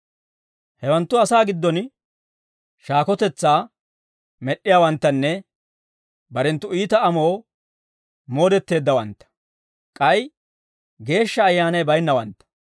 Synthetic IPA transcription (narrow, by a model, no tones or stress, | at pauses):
hɛwɐnt̪ːʊɐsaːɡɪd̪ːɔn | ʃaːkɔt̪ɛt͡sːaː | mɛɗːɪjaːwɐnt̪ːɐnːɛ | bɐɾɛnt̪ːʊiːt̪ɐɐmoː | mo̞ːd̪ɛt̪ːe̞ːd̪ːɐwɐnt̪ːɐ̥ | kʼɐj | ɡe̞ːʃːɐːjːaːnɐjbɐjnːɐwɐ̰nt̪ːɐ̥